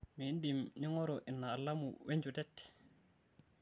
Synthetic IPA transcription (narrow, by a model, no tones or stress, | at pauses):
mindimniŋɔɾɔʔinːaːlːamṵweɲd͡ʒutɛtː